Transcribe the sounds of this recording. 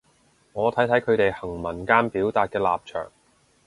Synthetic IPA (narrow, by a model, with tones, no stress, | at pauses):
ŋɔː˨˧t̪ʰɐ˨˥jt̪ʰɐ˨˥jkʰɵ˨˧ɥt̪e˨jhɐ˨˩ŋmɐ˨˩nkaː˥npiː˨˥wt̪aː˨t̚kɛː˧la̰ː˨p̚t͡ʃʰœ̰ː˨˩ŋ